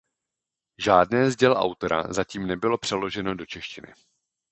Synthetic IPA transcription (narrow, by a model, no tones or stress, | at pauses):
ʒaːdnɛːzɟɛlʔa̰wt̪oɾa̰zaciːmnɛbɪlo̞pr̝̥ɛlo̞ʒɛno̞do̞t͡ʃɛʃcɪnɪ̰